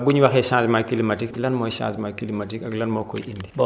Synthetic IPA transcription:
buɲwaxeʃãːsmakilimatiklanmoːʃa̰ːsmakilimatikaɡlanmoko̰jʔindi

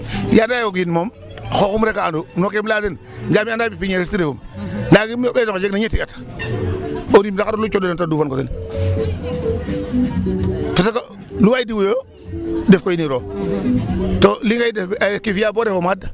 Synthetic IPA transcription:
jadajoɡinmom | xokumɾekaandunokemladen | ŋɡamiandaːbipiɲeɾestiɾefumlaɡimbezokd͡ʒeknaɲetijat | oɾimdakaɾolut͡ʃodonentaduːfankosḛn | fasaka | luwajidiwjo | defkojiniɾo | toliŋɡaidekifjaboɾefomada

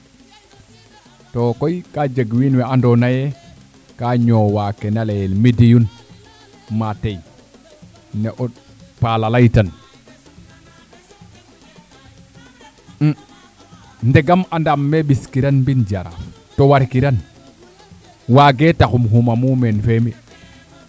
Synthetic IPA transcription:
tokojkad͡ʒaɡwinwɛandonaje | kaɲowakenalejelmidijun | matej | neʔɔ | palalajtan | ndeɡamandamːeɓiskiɾanmbind͡ʒaɾa̰f | towaɾkiɾan | waɡetakumɦumamumenfemi

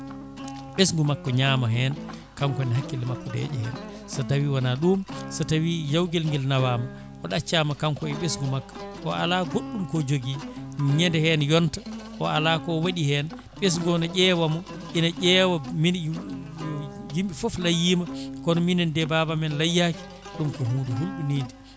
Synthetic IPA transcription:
ɓes̬ŋɡumakːɔɲaːmaɦɛːn | kaŋkɔnɛɦakːilɛmakːɔdɛ̰d͡ʒɛ̰hɛ̰n | satawiwanaɗumsatawijawɡɛlŋɡɛlnawaːma | ʔɔɗat͡ʃːamakamkɔɛɓesŋɡumakːɔ̥ʔɔʔa̰laɡoɗːumkɔd͡ʒoɡiɲɛndɛhɛnjɔntḁʔɔalakɔwaɗihɛn | ɓes̬ŋɡɔnɔɟɛːwamɔ | ʔinaʔɛwamin | jimɓifɔflajːiːmakɔnɔminɛndɛbabamɛnlajːaki̥ | ɗumkɔɦuːduɦulɗuniːdi

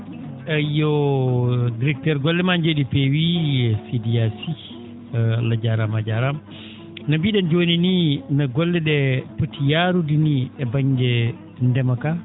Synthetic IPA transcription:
ajɔ | diɾɛk̚tɛɾɡɔlːɛmand͡ʒoɗipɛwiɛsidiasi | lad͡ʒaɾamad͡ʒaɾam | nabiɗɛnd͡ʒonininaɡɔlːɛɗɛpətːijaɾudiniɛbaɲɡɛ | ndɛmaka

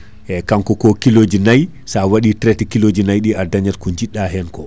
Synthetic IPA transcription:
ʔɛkaŋkɔkɔkilod͡ʒinaj | sawaɗitɾɛtɛkilod͡ʒinajɗiadaɲatkɔɲd͡ʒiɗːaɦɛnkɔ

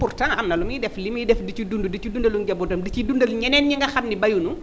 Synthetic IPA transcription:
purtaŋɐmnɐlumidɛflimidɛfdicudundudicudundɐlunɟɐbɔdɐmdicidundɐlɲɛnɛːnɲiŋɡɐxɐmnibɐjunu

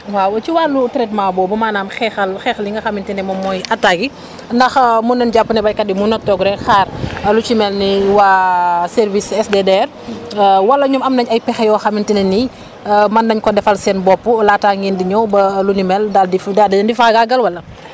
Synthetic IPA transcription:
wawt͡ʃiwaːlutɛɾɛtmabɔbɐmaːnaːmxɛxɐlxɛxɐliŋɡɐxɐmintɛnɛmɔmːɔjɐtːaɡi | ndɐxmunːɛnɟapːunɛbɐjkɐdimunɔk̚tɔɡɾɛxaːrɐlut͡ʃimɛlniwasɛɾvisɛsdɛdɛr | wɐlːɐɲumɐmnɐɲɐjpɛxɛjɔxɐmintinɛni | mɐndɐɲkɔdɛfɐlsɛnbɔpːulataːŋɡindiɲɔwbɐlunimɛldaldifdadiɛndifaɡaɡɐlwɐlːɐ

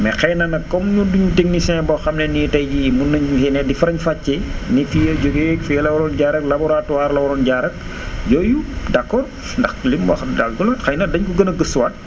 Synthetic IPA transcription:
mɛxɛjnɐnɐkːɔmɲuduɲtiŋnisinɛbɔxɐmnɛniːtɐjɟimunːɐɲsɛnɛdifɾɐɲfacːɛnifijɐɟoɡekfɛlɐbɾɔnɟaɾɐklɐbɔɾatuwaːɾlɐbɔɾɔnɟaɾɐk̚ | ɟɔjudɐkːɔr | ndɐxlimbɐxdalɡulɐtxɐjnɐdɐɲkuɡənɐɡəswat̚

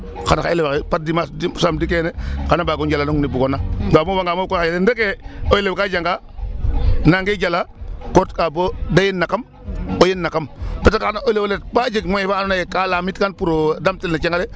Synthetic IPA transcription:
kanaelakepat̚dimassamdikenekanabaɡund͡ʒalanuŋnibuɡonadamuwaŋɡamokoxajalendekeojelewkad͡ʒaŋɡa | naŋɡed͡ʒalakotkabodajinːakam | ojinːakampetakanaolewolet̚bad͡ʒeɡmojibaːnonajekalamitkanpuɾodamtilnat͡ʃaŋɡale

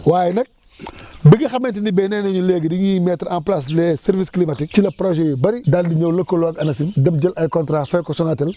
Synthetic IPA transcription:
waːjnɛk̚ | biɡixɐmɛntinibɛnɛːnɐɲuleːɡdiŋimɛtɾãːmplas̬lɛːsɛɾvisklimɐtik̚tilɐpɾoʒɛjibɐɾidaldiɲɐwlɐkolwɐkɐnɐsindɐmɟɐlʔɐjkɔntɾaːfɐjkɔsɔŋɐtɛl

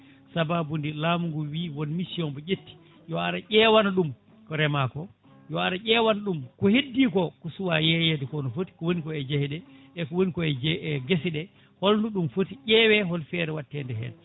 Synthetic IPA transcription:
sababundilaːmuŋɡɔwiːwɔnmisiɔnbɔʔetːi̥ | jɔaɾaʄɛwanaɗum | kɔɾɛmakɔ | jɔaɾaʔɛːwanaɗumkɔhedːikɔkɔsuwajɛjɛdɛkɔnɔfoti̥kɔwonikɔɛd͡ʒahɛɗɛ | ɛkɔwonikɔɛd͡ʒɛɡesiɗɛ | hɔlnduɗumfotiʔɛwɛɦɔlfɛɾɛwatːɛndɛɦɛ̰n

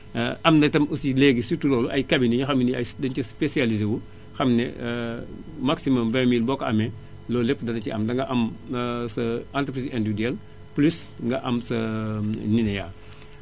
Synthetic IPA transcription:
ʔɐmnɐtɐmusileːɡisituɾɔːluʔɐjkabinijixɐmniɐjdɐnt͡ʃɐspesializewu | xɐmnɛ̰ | maksimɐmvɛ̃ːmilbɔkɐmɛ | lɔːlɛpːdɐnɐciɐmdɐŋɡɐʔɐmsɐantɾəpɾisɛndiidiɛl | plus | ŋɡɐʔɐmsɐninɛjaː

